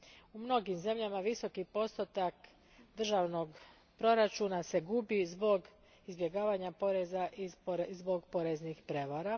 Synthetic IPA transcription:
umno̞ɡimze̞mʎamaʋiso̞kipo̞st̪ot̪ak | d̪r̩ʒaʋno̞ɡ | pɾo̞ɾat͡ʃunase̞ɡubizbo̞ɡ | izbje̞ɡaːʋaɲapo̞ɾezaʔizbo̞ɡpo̞ɾeznixpɾe̞ʋaɾa

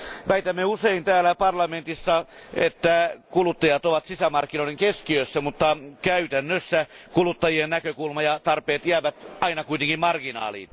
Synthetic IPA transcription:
ʋæit̪æmːeuseint̪æːlæpɑrlɑment̪isːɑet̪ːækulut̪ːɑjɑt̪oʋɑt̪sisæmɑrkːinoieŋkeskiøsːæmut̪ːɑkæyt̪ænːøsːækulut̪ːɑjiennækøkulmɑjɑt̪ɑrpeːt̪jæːʋæt̪ɑinɑkuit̪eŋkimmɑrɡ̥inɑ̰ːlḭːn

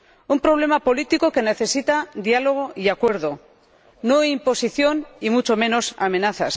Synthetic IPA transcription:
umpɾo̞β̞le̞mapo̞lit̪ikoke̞ne̞θe̞sit̪ad̪jalo̞ɣ̞o̞ʔiakwe̞ɾðo̞ | noimpo̞siθjo̞nimut͡ʃo̞mẽ̞no̞samẽ̞naθa̰s

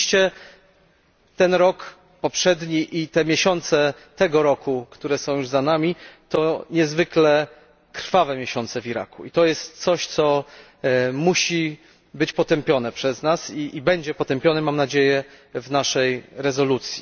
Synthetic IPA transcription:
ʂt͡ɕɛ | t̪ɛnɾɔk | pɔpʂɛd̪ɲiʔit̪ɛmʲjeɕɔnt̪sɛ | t̪ɛɡɔɾɔkukt̪uɾɛsɔ̃w̃juʐzanamʲit̪ɔɲɛzvɘklɛ | kɾ̥favɛmʲjeɕɔnt̪sɛvʲiɾa̰kṵit̪ɔjɛst̪t̪sɔɕt̪sɔ | muɕi | bɘt͡ɕpɔt̪ɛmpʲjɔn̪ɛpʂɛznasiʔːbɛɲd͡ʑɛpɔt̪ɛmpʲjɔnɛmamnad͡ʑejɛvnaʂɛjɾɛzɔlut̪sʲji

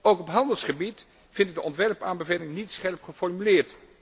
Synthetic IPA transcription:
owkɔpɦɑndəlˠsχəbit | v̥ɪnd̚dəʔɔntʋɛɹpaːnbəvelɪŋənitsχɛɹpχəfɔɹmylɪːɹt

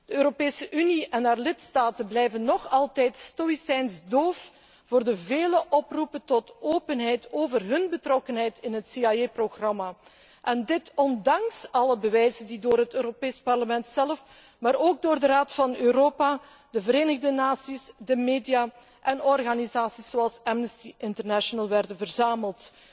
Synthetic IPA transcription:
d̥əøːɾopeːsəʔyniɛnaːrlɪtstaːtənblɛjvənːɔxɑlˠtɛjtstoisɛjnsdoːf | v̥oːrdəveːləʔɔprupəntɔtoːpənɦɛjtʰoːvərɦɵnbətrɔkənɦɛjtɪnɦətsiajeproɣrɑma | ʔɛndɪtɔndɑŋsɑləbəʋɛjzəndidoːrɦətøːɾopeːspɑrləmɛntsɛləf | maːɾoːɡ̚doːrdəraːtfɑnøːɾoːpa | dəvəɾeːnəɣdənaːsisdəmeːdija | ʔɛnɔrɣanizaːsisoɑlˠsɛmnəstiʔɪntərnaʃonəlˠʋɛrdənvərzaːməlˠt

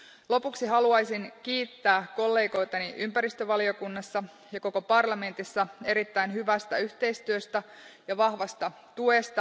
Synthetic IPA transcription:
lo̞puksiɦɑluɑjsinkiːt̪ːæːkko̞lːe̞ːɡo̞jt̪ɑniʔympæɾist̪øʋɑlio̞kunːɑsːɑ | jɑko̞ko̞pɑrlɑme̞nt̪isːɑe̞ɾit̪ːæinɦyʋæst̪æyçt̪e̞ist̪yøst̪æ | jɑʋɑhʋɑst̪ɑ | t̪uest̪ɑ

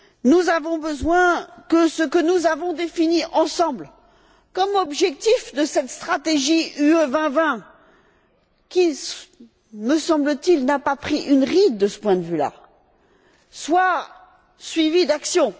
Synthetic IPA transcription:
nuzavɔ̃bəzwɛ̃kəsəkənuzavɔ̃d̪efiniʔɑ̃sɑ̃bl | kɔmɔbʒɛk̚t̪ifd̪əsɛt̪st̪χat̪eʒiyøvɛ̃vɛ̃ | kʲi | məsɑ̃blət̪ilnapapχiʔynʁid̪̚d̪əsə̥pwɛ̃d̪əvyla̰ | swa | sɥivid̪aksjɔ̃

